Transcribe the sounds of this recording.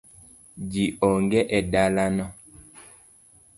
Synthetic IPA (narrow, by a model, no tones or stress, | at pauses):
d͡ʒiʔɔŋɡɛʔɛdalanɔ